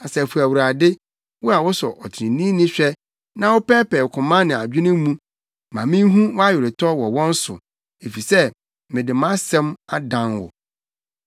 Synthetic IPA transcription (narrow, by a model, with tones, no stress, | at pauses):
a˨sɛ˨fu˨æ˨wu˨ɾa˨dɪ˦ | wʊ˦a˨wʊ˦sɔ˨ʔɔ˨tʰɪ˨ɾɪ̃˨nĩ˦nɪ̃˦ɕᶣɛ˦ | nã˦wʊ˦pɛː˦pʰɛ˨kʰʊ̃˨mã˦nɪ̃˨a˨d͡ʑᶣɪ˦nɪ̃˦mũ˦ | mã˨mɪ̃˦ɦũ˦wa˦ɥɪ˨ɾɪ˨tʰɔ˦wɔ˨wɔ̃˦n̩˦sʊ̰˨ | e˨fi˨sɛ˦ | mɪ̃˨dɪ˨mã˦sɛ̃˦ma˦dã˨nwʊ̰˨